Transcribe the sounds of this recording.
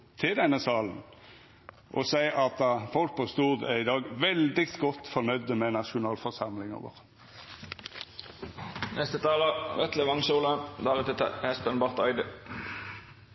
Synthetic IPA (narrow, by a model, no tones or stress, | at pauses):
t̪ʰɪld̪ɛnːəsɑːln̩ | ʔɔ̰sæɪʔɑt̪̚d̪ɑfɔlk̚pʰɔst̪uːd̪æɪd̪ɑːɡʋɛld̪ɪt̪ɡɔt̪ːfɔnœʏd̪əmɛnɑʃʊnɑːlfɔʁsɑmlɪŋə̰ʋə̰ʁə | nʔɛst̪ət̪ʰɑːləʋɛt̪ləʋɑŋsuːlənd̪ɑːʁət̪ɛt̪ə̰hɛspənbɑʁt̪ɑɪd̪ə